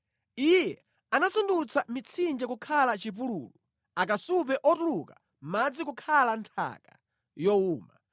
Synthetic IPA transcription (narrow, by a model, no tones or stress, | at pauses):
ijɛ | anasundut͡sʰamit͡sʰind͡ʒɛkukʰalat͡ʃip̬ulṵːlu | ak̬asup̬ɛʔɔtuluka | mad͡zikukʰalantʰa̰ka̰ | jɔuːma